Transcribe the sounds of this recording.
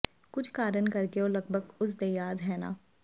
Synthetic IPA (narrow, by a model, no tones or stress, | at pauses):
kʊt͡ʃʰkaːɾənkɐɾkeoːlɐɡ̚bʱəɡʊs̬d̪eːjaːd̪ɦɛːna̰ː